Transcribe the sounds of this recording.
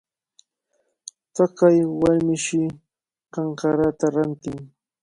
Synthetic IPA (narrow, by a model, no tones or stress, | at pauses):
t̪akajwaɾmɪʃɪ | kɑɴkɑɾat̪aɾant̪ɪŋ